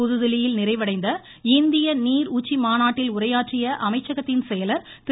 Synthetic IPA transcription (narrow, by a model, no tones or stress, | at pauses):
ʊðɯðɪlɪjɪlnɪrɐɪʋɐɽɐɪnd̪ɐ | ɪnd̪ɪjɐniːɾuːt͡ʃːimaːnaːʈːɪlʊrɐjaːʈrɪjɐʔɐmɐɪt͡ʃːɐɣɐt̪ːɪnsɛjɐlɐɾ | t̪